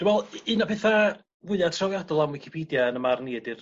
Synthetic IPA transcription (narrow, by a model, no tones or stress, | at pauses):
d̥umɛlˠɨnapʰeθa | wɪðˠatʰrawjadɔlˠamwɪkʰɪ̥pʰiːdjaənəmarniːdɪr